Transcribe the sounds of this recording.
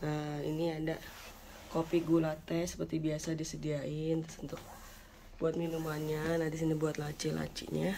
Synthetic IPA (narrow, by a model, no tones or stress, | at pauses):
əḭniada | kopiɡulat̪ɛsə̥pərt̪ibiasadisədiaɪnt̪ʊ̥sunt̪ʊk̚ | buat̪̚minumanɲanadisinibuat̪lat͡ʃila̰t͡ʃḭɲa